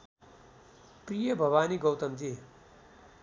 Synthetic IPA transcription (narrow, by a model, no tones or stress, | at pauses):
prijʌbʱʌbaːniɡʌwt̪ʌmd͡zi